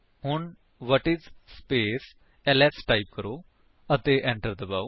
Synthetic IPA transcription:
hʊɳ | ʋɔʈizspeːs | ɛlɛsʈaip̚kəɾo | ət̪eʔɛ̃ɳʈəɾd̪əbaw

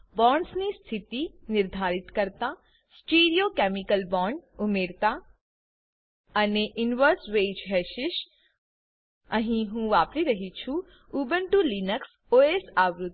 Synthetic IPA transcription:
bɔːɳɖsnist̪ʰit̪inɪɾd̪ʱaːɾɪt̪kəɾt̪a | sʈeːɾijokɛːmɪkəlbɔ̃ːɳɖʊmeːɾt̪a | ɐneʔɪnʋəɾsʋeːd͡ʒɦɛːʃɪʃ | əɦĩɦũʋaːpɾiɾɐɦit͡ʃʰu | uːbənʈulinəks | oːesaːʋɾʊt̪

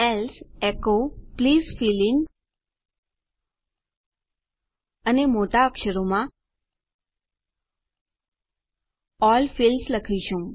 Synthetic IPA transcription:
ɛlsekopliːzfiliŋ | ənemoʈaəkʃəɾomã | ɔlfilsləkʰiʃũ

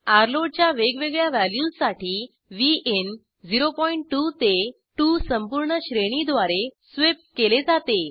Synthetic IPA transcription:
aɾloɖ̚t͡ɕjaʋeɡʋeɡɭjaʋæljuːssaʈʰiː | ʋiʔen | d͡ziɾopɔiɳʈːut̪e | ʈusəmpuɾɳəɕɾeɽ̃id̪ʋaɾe | sʋep̚keled͡zat̪e

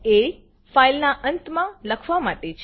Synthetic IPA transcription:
e | failnaʔənt̪mãləkʰʋamaʈet͡ʃʰ

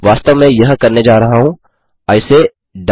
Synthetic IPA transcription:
ʋaːst̪əʋmẽjɐɦkɐɾned͡ʒaːɾɐɦaɦũ | ɐɪse | ɖ

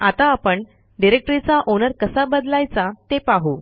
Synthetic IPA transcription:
at̪aːpəɳ | ɖiɾek̚ʈɾit͡saʔonəɾkəsabəd̪lajt͡sat̪epaɦu

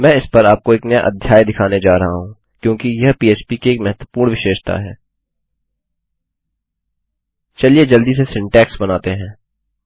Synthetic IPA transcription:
mɛ̃ːɪspɐɾaːp̚koeːknɐja̰ʔɐ̰d̪ʱjaːjd̪ɪkʰaːned͡ʒaːɾɐɦaɦũː | kjõːkijɐɦpiːeːt͡ʃpikieːkmɛɦət̪wəpuːɾɳʋɪʃeːʃt̪ʰa̰ɦɛː | t͡ʃɐlied͡ʒɐld̪isesɪ̃ɳʈɛːksbɐnaːt̪eɦɛ̃ː

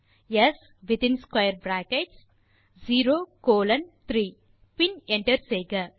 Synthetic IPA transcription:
jes | ʋɪt̪ĩnskwajəɾbɾæ̃ːkeʈs | ziːɾoːkoːlɐ̃nt̪ʰɾiː | pĩnẽɳʈəɾseːɡɐ

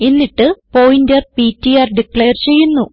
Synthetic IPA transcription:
enːiʈːɨpoːjindɐrpitːiɐːrɖikɭeːrt͡ɕe̞jːunːu

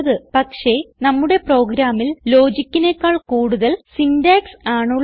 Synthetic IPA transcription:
ðɨpɐkʂe̞nɐmːuɽe̞pro̞ːɡɾaːmːilːo̞ːd͡ʑikʲːine̞kːaːɭkuːɽuðɐlsindaːksaːɳuɭː

